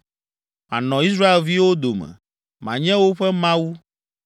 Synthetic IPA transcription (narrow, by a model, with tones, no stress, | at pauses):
mã̰˨nɔ̃˨i˦s̬ɾa˦e˨lvi˦wo˦d̪o˨mɛ̰̃˨ | mã̰˨ɲɛ̃˦wo˦ɸɛ˦mã˦wu˦